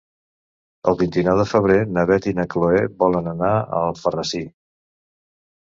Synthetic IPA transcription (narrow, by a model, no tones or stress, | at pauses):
ə̰lˠβint̪inɛwðəfəβ̞ɾenəβɛt̪inəkloeβɔlənənaə̰lˠfərəsi